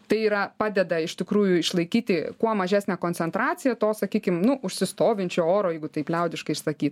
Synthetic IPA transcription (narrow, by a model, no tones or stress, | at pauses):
t̪ɐɪiːɾɐpɑːd̪ʲɛd̪ɐɪʃʲt̪ʲɪkɾuːjʊɪʃlˠɐɪkʲiːt̪ʲɪkuɔmɐʒʲæːsʲnʲæːkoːnʲt͡sʲɛnt̪ɾɑːt͡s̪ʲɪjɛt̪oːsɐkʲiːkʲɪmnʊʔʊʃʲsʲɪst̪oːʋʲɪnʲt͡ʃʲoːoːɾoːjɛɪɡʊt̪ɐɪplʲɛʊd̪ʲɪʃkɐɪɪʃsɐkʲiːt̪